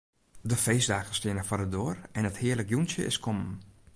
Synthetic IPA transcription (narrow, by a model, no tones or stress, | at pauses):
dəfeːsdaːxəstɪənəfɔdədoːrɛnəthɪərləkjunsjə̰ʔɪ̰skʰɔmən